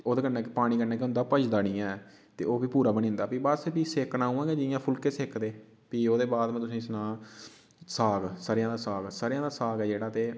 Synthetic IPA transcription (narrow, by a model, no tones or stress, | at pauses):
oːd̪eːkənɛ̃ːkːpaːɽ̃iːkənɛːkeʊnd̪aːpət͡ʃd̪aːɽiːɛ̃ː | t̪ḛːoːbiːpuːɾaːbənĩːnd̪aːpiːbəspiːseːknãːuːãːɡeːd͡ʒɪjãːpʰʊlkeːseːkd̪eː | piːoːd̪eːbaːd̪mẽːt̪ʊsĩːɪsnãː | saːɡsəɾjãːd̪aːsaːɡsəɾjãːd̪aːsaːɡɛːd͡ʒeːɽaːt̪eː